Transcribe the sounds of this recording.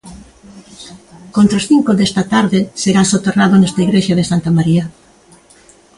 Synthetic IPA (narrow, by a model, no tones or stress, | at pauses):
kõnt̪ɾosθiŋkoðest̪ɐt̪aɾðeseɾasot̪eraðonest̪aiɣɾeʃjaðesant̪amaɾiɐ